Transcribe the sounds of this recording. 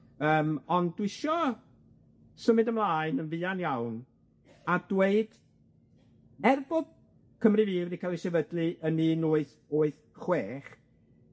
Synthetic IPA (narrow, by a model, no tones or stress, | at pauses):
əːmɔndwɪʃɔ | səmɨdəmlˠaːɨnənvɨːanjawn | ad̥weɨd̥ | ɛrbʊð̥ | kʰəmrɨviːvikʰalˠɪsɛvədlˠɨʔəniːnʊːɨθ | oːɨθ | χweːχ